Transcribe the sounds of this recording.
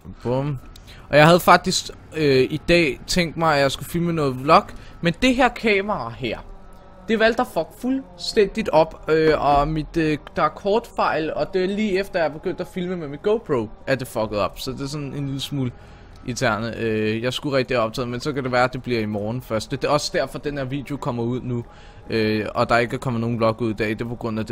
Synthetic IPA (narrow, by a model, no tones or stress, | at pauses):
b̥om | ʔɒ̽jɑ̈ɪhæð̞̩ˠfɑ̈ɡ̥̚d̥isɡ̥ | øid̥ɛ̰ːt͡sʰeŋ̰ɡd̥mɑ̈ɪæjɑ̈ɪsɡ̥ufilmənɔ̽ːð̩ˠlɒ̽ɡ̥ | mend̥e̝ɦeɐ̰kʰɛːmɐɑɦæɐ̰ | d̥e̝ʋæl̰d̥ɐfɒ̽ɡ̥fulsd̥en̰d̥id̥ɒ̽b̥øɒ̽mid̥d̥ɑkʰɒːd̥fɑ̈ɪlɒ̽d̥eɐliːefd̥ɐjɑb̥e̝ɡ̥øn̰d̥æfilməmemid̥̚ɡ̥oʊpʰʁoʊʔæɐd̥e̝fɒ̽ɡ̥ð̩ˠɒ̽b̥sɒ̽d̥e̝s̬ɒ̽ne̝nliðˠsmuːl | ʔit͡sʰæɐ̰nəøjɑ̈ɪsɡ̥uʁɛɡ̥̚d̥əæɐɒ̽b̥̚t͡sʰɛ̰ːð̩ˠmensɒ̽kʰæd̥e̝ʋæːɐæd̥e̝b̥liɐ̰imɒːn̩fɶɐsd̥d̥e̝ɒ̽səd̥æɐ̰fɒ̽d̥enheɐ̰ʋḭd̥jeo̝kʰɒ̽m̰ɐuð̞̰ˠnu | øɒ̽d̥ɑ̈e̝ɡ̥ækʰɒ̽m̰ðˠno̝ːn̩b̥lɒ̽ɡ̥uð̰̥ˠæɐid̥epʰɒ̽ɡ̥ʁɔ̽n̰ˠæd̥e